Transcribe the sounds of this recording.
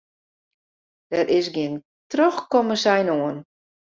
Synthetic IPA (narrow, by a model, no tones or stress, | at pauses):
d̥ɛɾɪsɡɪn | trɔxkoməsɛjnoən